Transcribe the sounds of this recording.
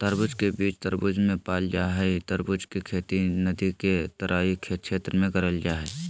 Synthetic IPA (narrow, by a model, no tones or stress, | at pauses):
t̪əɾbʊd͡ʒkebiːt͡ʃt̪əɾbʊd͡ʒmẽpaːld͡ʒaːɦɛt̪əɾbʊd͡ʒkekʰeːt̪inəd̪iket̪ɐɾʔaːikʰeːkʰeːt̪ɾəmẽɡɐɾəld͡ʒaːɦɛː